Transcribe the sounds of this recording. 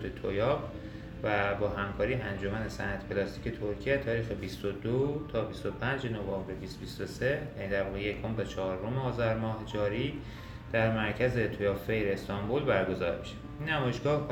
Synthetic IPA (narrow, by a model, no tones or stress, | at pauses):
t̪ʰet̪ʰojɒp | væbɒːɦæmkʰɒːɾiːænd͡ʒo̞mænesæ̰næt̪ʰpʰelɒst̪iːcʰe̞t̪ʰoɾcʰiæt̪ʰɒːɾiːxebist̪od̪ot̪ʰɒːbist̪o̞pʰænd͡ʒenovɒːmbɾebist̪bist̪ose̞jæniːd̪æɾvɒːɣejekʰombet͡ʃʰɒːɾomeɒːzæɾmɒːɦed͡ʒɒːɾiː | d̪̥æɾmæɾcʰæze̞t̪ʰojɒːpfejɾeːst̪ʰɒmbolbæɾɡo̞zɒ̰ːɾmi̥ʃe̥ | inːæmɒːjeʃɡ̥ɒːh